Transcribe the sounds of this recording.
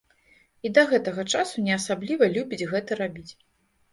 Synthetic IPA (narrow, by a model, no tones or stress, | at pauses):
id̪ɐɣɛt̪ɐɣɐt͡ʂasunʲɛɐsablʲivɐlʲubʲid͡zʲɣɛt̪ɐɾabʲit͡sʲ